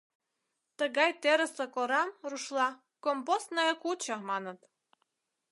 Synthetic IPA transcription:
t̪əɣɑjt̪eɾəsekoɾɑmruʃlɑ | kompost̪nɑjəkut͡ɕɑmɑnət̪

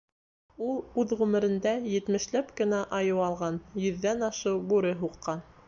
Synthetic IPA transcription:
ulˠʉðʁʉmɘ̆ɾɘ̆nd̪æjɘ̆t̪mɘ̆ʃlæpkɘ̆næʔɑjɤwɑlˠʁɑnjɵ̆ðːænɑʃɤwbuɾɘɦuqːɑn

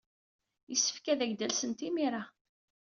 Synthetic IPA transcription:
jəsːə̥fkæðæʝd̪ælsənt̪imiɾa

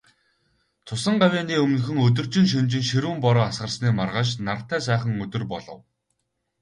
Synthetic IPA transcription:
t̪ʰʊsə̆ɴɢawʲiːniːɵmnɵ̆xɵ̆ŋɵt̪̬ɵ̆r̥t͡ɕɪ̆ŋʃ̬ɵnt͡ɕɪ̆ŋʃeɾuːmpɔɾɔːasɢə̆rsniːmarʁə̆ːʃnar̥t̪ːæːsæːχə̆ŋmɵt̪ɵ̆rpɔɮɞ̆w

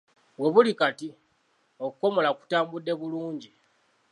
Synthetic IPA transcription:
βwe̞βulikati | okuko̞mo̞laku̥taːmbudːe̞βuluːɲɟi

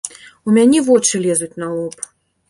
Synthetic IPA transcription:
umʲanʲɛvɔt͡ʂɨlʲɛzut͡sʲnalˠɔp

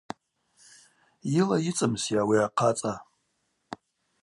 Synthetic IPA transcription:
jilajit͡sʼɨmsjawiaqʰat͡sʼa

